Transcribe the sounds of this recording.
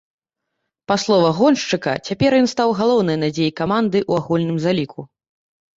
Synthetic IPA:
paslˠɔvɐɣɔnʂt͡ʂɨkɐ̰t͡sʲapʲɛɾjɔnst̪awɣalˠɔwnɨjnad͡zʲejikamand̪ɨʔuaɣulʲnɨmzalʲikʰu

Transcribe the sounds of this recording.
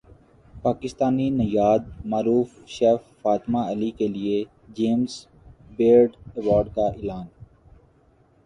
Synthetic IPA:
paːkɪst̪aːninɐjaːd̪̚maːɾuːfʃɛːfːaːt̪maəlikelie | d͡ʒeːmz | beːɾɖəʋɔːɾɖkaʔɪlaːn

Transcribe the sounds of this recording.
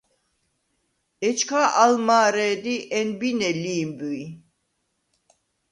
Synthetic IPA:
et͡ʃkʰaʔalmaːɾɛd̪iʔɛnbinɛliːmbøi

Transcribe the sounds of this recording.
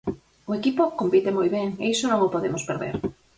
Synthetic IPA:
oekipokompit̪emojβeŋeisonõŋopoðemospeɾðḛɾ

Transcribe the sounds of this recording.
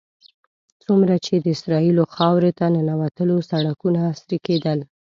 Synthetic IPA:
t͡sumɾat͡ʃed̪əɪsɾɑiloxɑwɾet̪anənawat̪əlosaɽakunaːsɾiked̪əl

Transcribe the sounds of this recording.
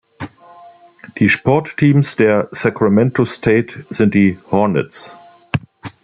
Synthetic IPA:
ðiʃpʰɔtʰːĩːmsðɛsakʰɹamɛ̃ntostʰeɪtsɪ̃ntðihɔnə̰ts

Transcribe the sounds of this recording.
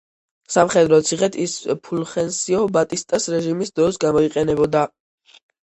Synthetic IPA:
samχɛd̪ɾɔt̪sʰiχɛt̪ʰispʰulχɛnsiɔbat̪ʼist̪ʼasɾɛʒimisd̪ɾɔsɡamɔiqʼɛnɛbɔd̪a

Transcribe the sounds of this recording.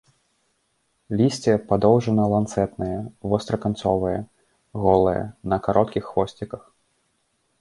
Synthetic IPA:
lʲisʲt͡sʲɛpad̪ɔwʐɐnɐlˠant̪sɛt̪nɨjɛvɔst̪ɾɐkant̪sɔvɨjɛ | ɣɔlˠɨjɐ̰nɐkaɾʔɔt̪kʲixːvɔsʲt͡sʲikɐx

